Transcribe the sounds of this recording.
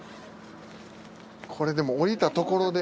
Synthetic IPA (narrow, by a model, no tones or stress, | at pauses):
kʰo̞ɾe̞d̪e̞mo̞ːɾʲit̪at̪o̞ko̞ɾo̞d̪e